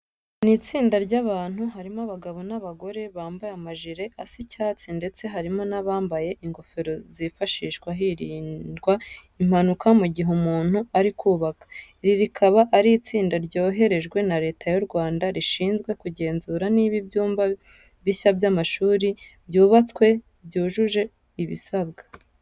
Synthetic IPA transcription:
niːt͡siːndaɾɟaβaːn̥huɦaɾimoaβaɡaβo̞naβaɡo̞ɾe̞βaːmbajamaʒiɾe̞ʔasicaːt͡sinde̞t͡se̞ɦaɾimo̞naβaːmbaje̞ʔiŋɡo̞feɾo̞zifaʃiːʃkwaɦiɾiːndɡwaim̥hanukamuɟiɦumuːn̥huaɾikʰuːβakḁ | ɾiɾikʰaβaʔːɾit͡siːndaɾɟo̞ːɦe̞ɾe̞ʒɡwe̞naɾe̞ːtajuɾɡwaːndaɾiʃiːnzɡwe̞kuɟe̞ːnzuɾaniːβibjuːmba | βiɕabjamaʃuːɾibɟuːβat͡skwe̞ | bjɟuːʒuʒe̞ | iβḭsabɡḁ

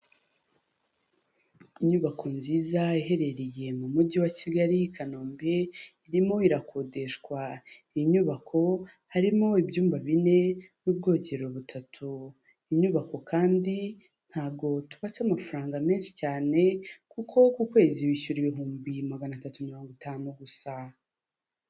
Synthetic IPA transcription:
iɲuβakʰo̞nziːzaiɦe̞ɾe̞ɾije̞mumuɟiwaciɡaɾikʰano̞ːmbe̞iɾimo̞iɾakʰo̞de̞ʃkwa | iɲuβakʰo̞ | haɾimo̞ibjuːmbaβine̞nuːb̚ɡo̞ːɟe̞ɾo̞βutʰatʰu | iɲuβako̞kʰaːndi | n̥haːb̚ɡo̞tuβat͡ʃamafuɾaːŋɡame̞ːnʃi̥caːne̞kukʰo̞kukwe̞ːziwiʃuɾiβiɦuːmbimaɡanatatumiɾoːŋɡitʰanoɡusa

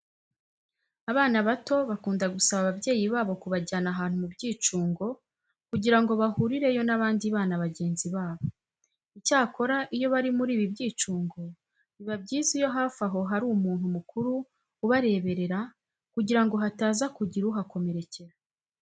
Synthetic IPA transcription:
aβaːnaβato̞βakuːndaɡusaβaβabɟe̞ːjiβaːβo̞kuβaɟaːnaɦaːnhumubɟiːt͡ʃuːŋɡo̞ | kuɟiɾaŋɡo̞βahuɾiɾe̞jo̞naβaːndiβaːnaβaɟe̞ːnziβaːβo̞ | icaːko̞ɾaʔijo̞βaɾimuɾiːβibɟiːt͡ʃuːŋɡo̞ | βiβabɟiːzijo̞ɦaːfaɦo̞ɦaɾuːumuːn̥humukuɾuː | βaɾe̞ːβe̞ɾe̞ɾa | kuɟiɾaŋɡo̞ɦataːzakuɟiɾuɦako̞me̞ɾe̞ce̞ɾa

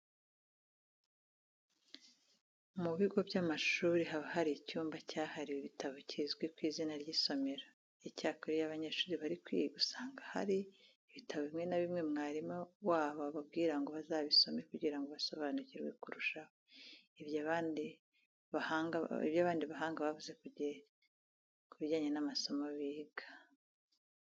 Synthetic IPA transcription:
muβiɡo̞bjamaʃuːɾiɦaβaɦaɾicuːmbacaːhaɾiwiβitʰaβocizɡwikwiːzinaɾɟiːso̞me̞ɾa | icaːkoɾijaβaɲeʃuːɾiβaɾikwḭɡusaːŋɡaha̰ɾiː | βitʰaβoβimŋe̞naβimŋe̞mŋaːɾimawaːβaβabɡiːɾaŋɡo̞βazaːβiso̞me̞kuɟiɾaŋɡoβaso̞βaːnuciɾɡwe̞̰kuɾuʃaβoiβjaβaːndi | βahaŋaḭβjaβaːndiβaɦaːŋɡaβavuze̞kuɟe | kuβiɟaːɲenamaso̞maβiːɡḁ

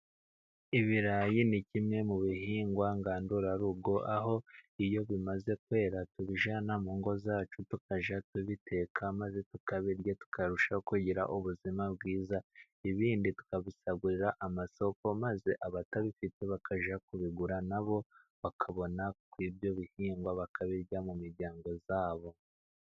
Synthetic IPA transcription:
iβiɾajinicimɲe̞muβiɦiːŋɡwaŋɡaːnduɾaɾuɡo̞ʔaɦo̞ijo̞βimaze̞kwe̞ːɾatuβiʒanamuːŋɡo̞zaːt͡ʃutukaʒatuβitʰe̞kʰamaze̞tukaβeɾɟotu̥kʰaɾuʃakuɟiɾa̰ʔuβuzimab̚ɡiːza | iβiːnditu̥kaβisaɡuɾiɾaʔamaso̞ko̞maze̞ʔaβataβifite̞βakʰaʒakuβiɡuɾanaβo̞ | βakʰaβo̞nakwiːbjo̞βihiːŋɡwaβakʰaβiɾɟamumiɾɟaːŋɡo̞zaːβo̞

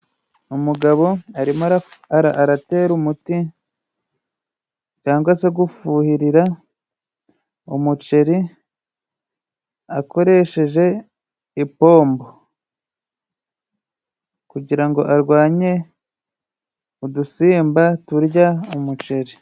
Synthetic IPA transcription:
umuɡaβo̞aɾimaɾaaɾaʔaɾate̞ːɾumuti | caːŋɡwase̞ɡufuːhiɾiɾa | umut͡ʃe̞ɾi | ako̞ɾe̞ʃe̞ʒe̞ | ipo̞ːmbo | kuɟiɾaŋɡo̞ʔaɾɡwaːɲe̞ | udusiːmbatuɾɟaumut͡ʃe̞ɾi

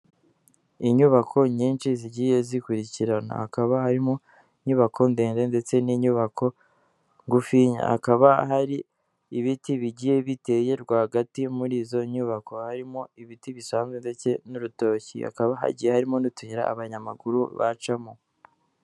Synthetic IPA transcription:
iɲuβakʰo̞ɲiːnt͡ʃiziɟiːje̞zikuɾiciɾana̰hakaβahaɾimo̞ | iɲuβakʰo̞nde̞ːnde̞nde̞t͡se̞niɲuβakʰo̞ | ŋɡufiɲa̰a̰kaβaɦaɾiː | βitiβiɟiːje̞βite̞ːje̞ɾɡwaːhaɡatimuɾiːzo̞ɲuβako̞haɾimoiβitiβisaːnzɡende̞t͡se̞nuɾuto̞ːcḭa̰kaβaɦa̰ɟijehaɾimo̞nutuɲiɾa̰ːβaɲamaɡuɾṵβa̰t͡ʃamo

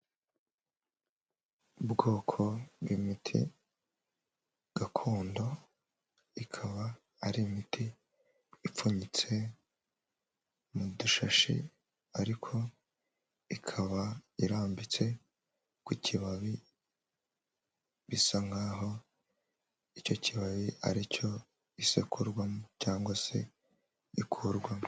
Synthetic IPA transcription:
bɡoːkʰo̞βwimitʰḭ | ɡ̥akʰo̞ːndo̞ | ikʰaβaː | ɾiːmitʰiː | p͡fuɲit͡se̞ | muduʃaʃḭ | aɾikʰo̞ | ikʰaβaiɾaːmbit͡se̞ | kucʰiβaβi | βisaŋɡaːɦo̞ | ico̞ciβaβia̰ɾico̞ | isekʰuɾɡwamocaːŋɡwase̞̰ | ikʰuɾɡwa

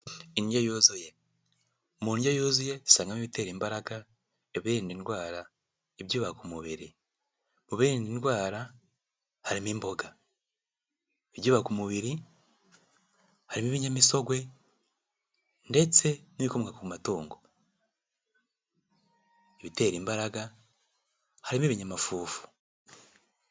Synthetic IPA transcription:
iniɟojozuje̞ | muniɟojoːzuje̞zi̥saːŋɡamiβite̞ːɾiːmbaɾaɡa | eβiɾiːndinwaːɾa | eβɟuːβakumuβiɾi | muβiɾiːndinwaːɾa | haɾimimbo̞ɡa | eβjɟuːβakumuβiɾi | haɾimiβiɲamiso̞ɡwe̞ | nde̞t͡se̞niikomŋɡakuumatuːŋɡo̞ | eβite̞ːɾiːmbaɾaɡa | haɾimiβiɲamafuːfu̥

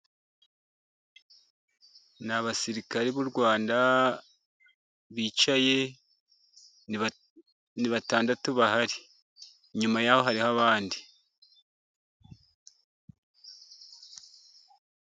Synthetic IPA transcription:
naβasiɾikaɾiβuɾɡwaːnda | βiːt͡ʃaje̞ | niβataːndatuβahaɾi | ɲumajaho̞ɦaɾihaβaːndi

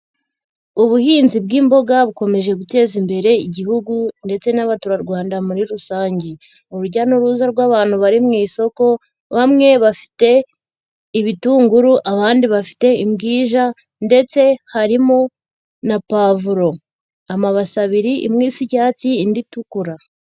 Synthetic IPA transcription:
uβuhiːnzib̚ɡiːmbo̞ɡaβuko̞me̞ʒe̞ɡute̞ːzimbe̞ɾe̞iɟihuɡunde̞t͡se̞naβatuɾaɾɡwaːndamuɾiɾusaːɲɟe | uɾuɟanuɾuːzaɾɡwaːβaːn̥huβaɾimŋiːso̞ko̞ | βamŋe̞βafi̥te̞ | iβituːŋɡuɾuʔaβaːndiβafi̥te̞imɡiːʒa | nde̞t͡se̞haɾimo | napavuɾo̞ | amaβasaβiɾiʔḭmŋiːsiɟaːt͡siːnditukuɾa

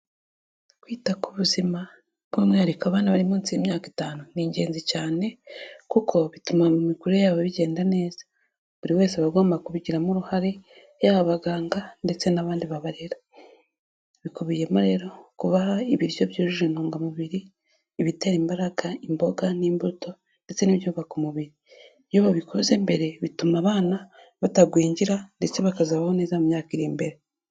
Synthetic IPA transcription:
kwiːtakuβuzima | bɡomŋeːɾikaβaːnaβaɾimuːnt͡sijemɲaːkitaːnuniːɲɟe̞ːnzicaːne̞kukʰo̞βitumamumikuɾejaːβoβiɟe̞ːndane̞ːz̥ḁ | βuɾiwe̞ːseβaɡo̞ːmbakuβiɟiɾamuɾuhaɾe | jaβaβaɡaːŋɡande̞t͡se̞naβaːndiβaβaɾeɾa | βikuβije̞moɾe̞ːɾo̞kuβahaiβiɾijoβjoːʒuʒenuːŋɡamuβiɾiː | βite̞ɾimbaɾaɡaimbo̞ɡaniːmbuto̞ | nde̞t͡se̞niβjoβakumuβiɾi | βjoβaβikoze̞mbe̞ɾe̞βitumaβaːna | βataɡwiːɲɟiɾande̞t͡se̞βakazaβahone̞ːzamumɲaːkiɾiːmbe̞ɾe

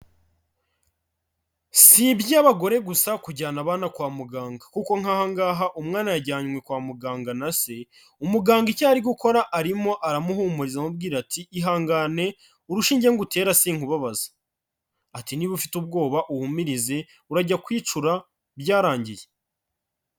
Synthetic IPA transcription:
sibjaːβaɡo̞ɾe̞ɡusakuɟaːnaβaːnakwaːmuɡaːŋɡakuko̞ŋ̥ahaŋɡaːɦaʔumŋaːnajaɟaːɲwekwaːmuɡaːŋɡanase̞ | umuɡaːŋɡicaːɾiɡuko̞ɾaʔːɾimo̞ʔaɾamuhumuɾizamubɡiːɾatʰiʔːɦaːŋɡane̞ | uɾuʃiːɲɟeŋɡute̞ːɾasiːŋhuβaβazḁ | atiniβufitub̚ɡo̞ːβaʔuhumiɾize̞ | uɾaɟakwiːt͡ʃuɾa | bɟaːɾaːɲɟije

